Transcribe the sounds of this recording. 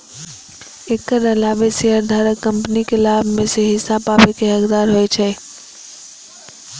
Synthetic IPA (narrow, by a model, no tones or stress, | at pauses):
ekːəɾəlaːbeseəɾd̪ʱaɾəkːəmpnikelabʱmẽseɦɪsababekeɦəkd̪aːɾɦojt͡ʃʰɛ